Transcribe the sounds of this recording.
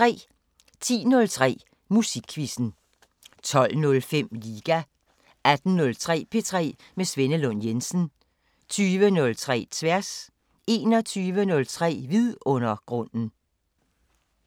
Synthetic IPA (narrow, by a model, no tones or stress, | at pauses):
ʁɛ̰ː | t͡sʰḭːnɔ̽lt͡sʰʁɛ̰ː | musiɡ̥ʰʋisn̩ | t͡sʰɒ̽l̰nɔ̽lfem̰liːɡ̥æ | æd̥n̩nɔ̽lt͡sʰʁɛ̰ːpʰe̝t͡sʰʁɛ̰ː | mesʋenəlɔnjensn̩ | t͡sʰyːʋənɔ̽lt͡sʰʁɛ̰ːt͡sʰʋæɐ̰s | ʔe̝ːnɒt͡sʰyːʋənɔ̽lt͡sʰʁɛ̰ːʋiðˠɔ̽nɐɡ̥ʁɔ̽n̰n̩